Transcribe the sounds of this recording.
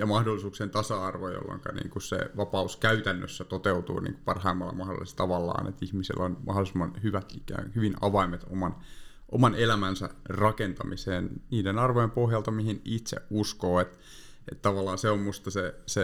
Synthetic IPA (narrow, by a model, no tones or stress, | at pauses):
jɑmɑhdolːˑisuːksent̪ɑsɑɑrʋojo̰lːɑ̰ŋkɑ̰nḭːŋkussḛʋɑpɑuskæyt̪ænːø̰sːæt̪ot̪eut̪ṵːnḭːŋku̥pɑrhɑimːɑlːɑ̰mɑhdo̰lːˑist̪t̪ɑʋɑlːɑ̰ːnḛt̪ihmisḭlːonmɑ̰holisimːɑnhyʋæt̪ikæ̰ːhyʋinɑʋɑimet̪o̰mɑn | ʔomɑnelæmænsæ̰rɑkent̪ɑmiseːnniːdenɑrʋojempohjɑlt̪ɑmihinit̪sḛʔuskoːet̪ | et̪t̪ɑʋɑlːˑɑːnseommust̪ɑsese